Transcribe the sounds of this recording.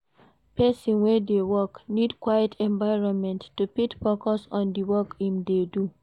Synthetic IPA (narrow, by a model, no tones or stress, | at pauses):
pɛsɔ̃nwɛdewɔknidkwajətʰɛ̃ɱvaɪɹɔ̃nmɛ̃ntːupitfɔkɔsɔ̃ndiwɔkĩmdedu